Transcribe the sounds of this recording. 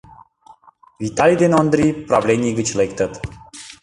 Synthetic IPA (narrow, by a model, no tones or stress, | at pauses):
vit̪alid̪enond̪ɾipɾablenʲiɡət͡ɕlekt̪ət̪